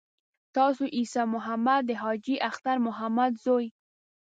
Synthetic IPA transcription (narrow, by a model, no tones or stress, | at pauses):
t̪ɑsoʔisɑmʊɦamad̪̚ːəɦɑd͡ʒiʔaxt̪aɾmʊɦamad̪zoj